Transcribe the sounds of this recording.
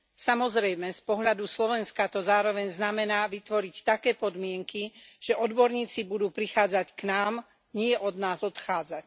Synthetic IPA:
samɔzɾɛjmɛspɔɦʎad̪uslɔʋɛnskat̪ɔzaːɾɔʋɛɲznamɛnaːʋit̪ʋɔɾict̪akɛːpɔd̪mɪɛŋkiʒ̥ɛʔɔd̪bɔɾɲiːt͡sibud̪uːpɾixaːd͡zacknaːm | ɲɪɛʔɔd̪naːzɔt̪xaːd͡zac

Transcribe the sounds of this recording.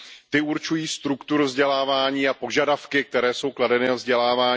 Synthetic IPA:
t̪ɪuɾt͡ʃujiːst̪ɾukt̪uɾuvzɟɛlaːvaːɲiːapo̞ʒadafkɪk̚t̪ɛɾɛːso̞wkladɛnɪvzɟɛlaːvaː

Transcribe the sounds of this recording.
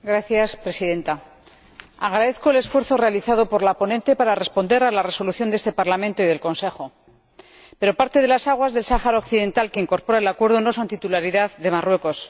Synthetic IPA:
ɡɾaθjaspɾe̞siðe̞nt̪a | aɣ̞ɾaðe̞θko̞ele̞sfweɾθo̞re̞aliθað̞o̞po̞ɾlapo̞nẽ̞nt̪e̞paɾare̞spo̞nd̪e̞ɾalare̞so̞luθjo̞nd̪est̪e̞paɾlamẽnt̪oiðe̞lko̞nse̞χo̞ | pe̞ɾo̞paɾt̪e̞ðe̞lasaɣ̞wazðe̞lsaχaɾaokθiðe̞nt̪alkeiŋko̞ɾpo̞ɾaelakwe̞ɾð̞o̞no̞so̞nt̪it̪ulaɾiðaððe̞marwe̞ko̞s

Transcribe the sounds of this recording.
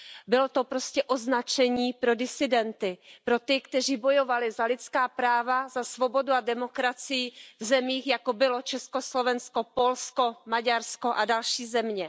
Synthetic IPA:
bɪlo̞t̪o̞pɾo̞scɛʔo̞znat͡ʃɛɲiːpɾo̞dɪsɪdɛnt̪ɪpɾo̞t̪ɪkt̪ɛr̝iːbo̞jo̞valɪzalɪt͡skaːpɾaːvazasvo̞bo̞duadɛmo̞kɾat͡sɪjɪvzɛmiːxjakobɪlo̞t͡ʃɛsko̞slo̞vɛnsko̞po̞lsko̞maɟaɾsko̞ʔadalʃiːzɛmɲɛ

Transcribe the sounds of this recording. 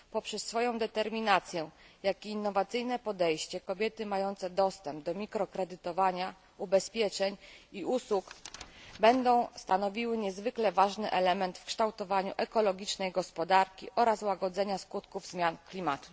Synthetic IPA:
pɔpʂɛsːfɔjɔ̃w̃d̪ɛt̪ɛɾmʲinat̪sʲjɛjakʲiːnːɔvat̪sɘjnɛpɔd̪ɛjɕt͡ɕɛkɔbʲjɛt̪ɘmajɔnt̪sɛd̪ɔst̪ɛmb̚d̪ɔmʲikɾɔkɾɛd̪ɘt̪ɔvaɲa | ubɛspʲjɛt͡ʂɛɲiuswukbɛnd̪ɔ̃w̃st̪anɔvʲiwɘɲɛzvɘklɛvaʐnɘʔɛlɛmɛnt̪fkʂt̪awt̪ɔvaɲuʔɛkɔlɔɡʲit͡ʂnɛjɡɔspɔd̪aɾkʲḭʔɔɾaswaɡɔd̪zɛɲaskut̪kuvzmʲjanklʲimat̪u̥

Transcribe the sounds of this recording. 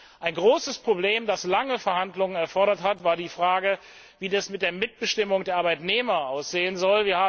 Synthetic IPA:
ʔaɪnɡʁoːsəspʁ̥obleːmdaslaŋəfɛɐhandlʊŋənɛɐfɔɐɾɐthatv̥aːɐdiːfʁ̥aːɡə | viːdasmɪt̚d̥eːɐmɪt̚b̥əʃtɪmʊŋdeːɐaːɐbaɪtneːmɐʔaʊsz̥eːənzɔlviːɐhaː

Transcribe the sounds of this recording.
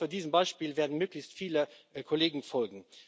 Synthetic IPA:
yɐdiːzəmbaɪʃpiːlveːɐdn̩møːklɪçstfiːləkʰoleːɡŋ̩fɔlɡŋ̩

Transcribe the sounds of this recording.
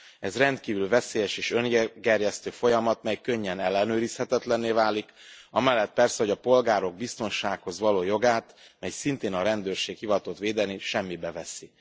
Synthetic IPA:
ɛzrɛnt̪kiːvylvɛseːjɛʃeːʃø̞ŋɡɡɛrjɛst̪øːfo̞jɒmɒt̪mɛjkøɲːɛnɛlːɛnøːɾishɛt̪ɛt̪lɛnːeːvaːlikɒmɛlːɛt̪̚pɛrsɛɦo̞ɟɒpo̞lɡaːɾo̞ɡ̚bist̪o̞nʃaːkho̞zʋɒloːjo̞ɡaːt̪mɛjsint̪eːnɒɾɛnd̪øːrʃeːkhivɒt̪ot̪ʋeːd̪ɛniʃɛmːibɛvɛsi

